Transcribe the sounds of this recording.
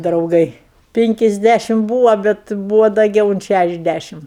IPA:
drɐʊˈɡɐɪ ˈpʲɪŋʲkʲɪzʲˌdʲæʃʲɪm ˈbuːʋɐ ˈbʲɛt ˈbuːʋɐ dɐˈɡʲɛʊ ʊnt ˈʃʲæʃʲɛzʲˌdʲæʃʲɪm

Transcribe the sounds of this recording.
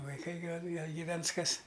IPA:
ʋɐɪˈkɐɪ ˈɡɐlˠ ˈɡɐlˠ ɡʲiːˈʋʲɛns ˈkɐs

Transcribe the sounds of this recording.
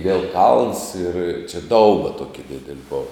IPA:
ʋʲiɛlˠ kɐlˠns ɪr t͡ʃʲɛ ˈdɐʊbɐ ˈtuɔkʲɪ ˈdʲɪdʲɛlʲɪ ˈboːʋɐ

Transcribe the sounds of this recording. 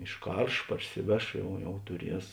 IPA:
ɪʃˈkɐrʃ ˈpɐrʲsʲɪˌʋʲɛʃ ˈjɛʊ jɛʊ tʊˈrʲiɛs

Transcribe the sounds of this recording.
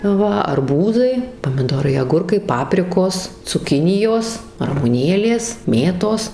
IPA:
ˈʋɐ ɐrˈbuːzɐɪ pɐmʲɪˈdoːrɐɪ ɐˈɡʊrkɐɪ ˈpɑːpʲrʲɪkoːs t͡sʊˈkʲɪnʲɪjoːs rɐmʊˈnʲeːlʲeːs ˈmʲeːtoːs

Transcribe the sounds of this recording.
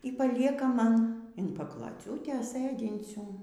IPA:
iː pɐˈlʲiɛkɐ ˈmɐn ɪn pɐklˠoːˈt͡sʲuːtʲeːs ˈsɘdʲɪnʲt͡sʲuː

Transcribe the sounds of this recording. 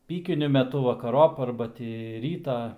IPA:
ˈpʲiːkʲɪnʲʊ mʲɛˈtʊ ʋɐkɐˈroːp ˈɐrbɐ tʲiː ˈrʲiːtɑː

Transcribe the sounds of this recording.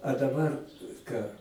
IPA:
ɐ dɐˈbɐr ˈkɑː

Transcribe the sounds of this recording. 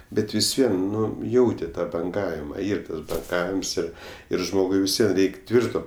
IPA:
ˈbʲɛt ʋʲɪs ˈʋʲiɛn ˈnʊ ˈjɛʊtʲɪ ˈtɑː bɐŋˈɡɑːʋʲɪmɐ ˈiːr ˈtɐs bɐŋˈɡɑːʋʲɪms ˈɪr ɪr ˈʒmoːɡʊɪ ʋʲɪsʲˈʋʲiɛ ˈrʲɛɪkʲ ˈtʲʋʲɪrtoː

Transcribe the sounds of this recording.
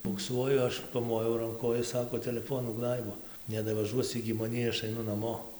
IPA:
bʊkˈsuɔjʊ ˈɐʃ pɐˈmoːjɛʊ rɐŋˈkʊ oː ˈjɪs ˈsɑːkoː tʲɛlʲɛˈfoːnuː ˈɡnɐɪboː nʲɛdɐʋɐˈʒuɔs ɪɡʲɪ mɐˈnʲiː ˈɐʃ ɐɪˈnʊ nɐˈmoː

